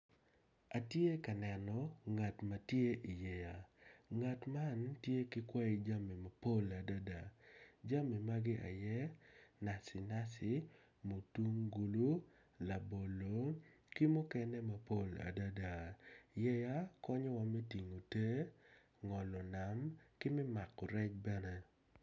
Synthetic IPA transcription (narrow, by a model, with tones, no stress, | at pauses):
a˨tje˦ka˨nɛ˨nɔ˨ŋa˨tma˨tje˦ʔi˨jɛ˨ja˨ŋa˨tma˦ntje˦kɪ˦kwa˦i˦d͡ʒa˦mi˨ma˨po˦la˨da˦da˨d͡ʒa˦mi˨ma˦ɡɪ˦ʔa̰˨jɛ˦na˨sɪ˨na˦sɪ˨ | mo˨tu˦ŋɡu˨lu˦ | la˨bo˨lo˨˦ | ki˦mu˦kɛ˦nɛ˦ma˨po˦˨la̰˨da˦da˨jɛ˦ja˦kɔ˦ɲɔ˦wa˦mɛ˦ti˨ŋo˨te˦ | ŋɔ˨lɔ˨na˨mkɪ˦mɪ˦ma˨kɔ˨ɾɛ˦t͡ʃ̚bɛ˦nɛ˦